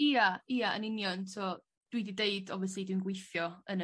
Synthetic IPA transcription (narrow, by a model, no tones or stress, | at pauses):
iːaiːaə̰nɪnjɔntʰɔ | d̥widideɨdɔvjɔs̬lˠidwiːnɡwejθjɔən